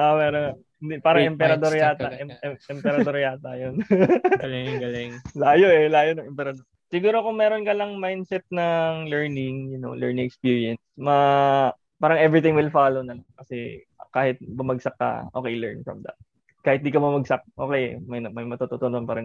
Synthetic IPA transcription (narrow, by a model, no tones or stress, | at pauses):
ʔamɛɾona | ɪnd̪ipaːɾɐŋʔɛmpɛɾɐd̪oɾjaːt̪ɐʔɛʔɛmpɛɾɐd̪oɾjaːt̪ajon | ɡlɪlaːjoʔɛlaːjonɐŋɛmpɛɾɐd̪oɾ | sɪɡuːɾokʊŋmɛːɾonkɐlɐŋmajnd̪sɛt̪̚nɐŋlɛɹnɪŋjʊno̰lɛ̰ɹnɪ̃ŋɛkspiɹiɛnsmɐ | paːɾɐŋʔɛvɾɪt̪ɪŋwɪlfaːlownɐnomkɐsɛ | kaːhɪt̪̚bʊmɐɡsɐkːɐ̰ʔoːkejlɛ̰ɹnfɹɐ̰md̪ɐ̰t̪̚ | kaːhɪt̪̚nd̪ikɐmɐmɐɡ̚sɐk̚ʔo̰ːkejmɐjmɐjmɐt̪ot̪ot̪ononpaːɾɐŋ